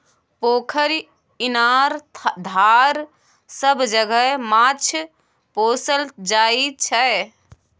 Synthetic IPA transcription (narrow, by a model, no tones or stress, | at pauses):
pokʰəɾ | inaɾd̪ʱaɾ | səbd͡ʒəɡəmat͡ʃʰ | posəld͡ʒait͡ʃʰə